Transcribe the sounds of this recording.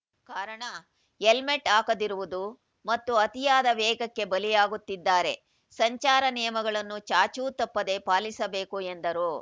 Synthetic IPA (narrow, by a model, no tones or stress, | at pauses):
kaːɾɐɳɐ | jelmeʈːaːkɐd̪iɾuʋud̪u | mɐt̪ːuɐt̪ijaːd̪ɐʋɛːɡɐkːe̞bɐlijaːɡut̪ːid̪ːaːɾe̞ | sɐɲt͡ʃaːɾɐnijɐmɐɡɐɭɐnːut͡ʃaːt͡ʃuːt̪ɐpːɐd̪e̞paːlisɐbeːkuend̪ɐɾu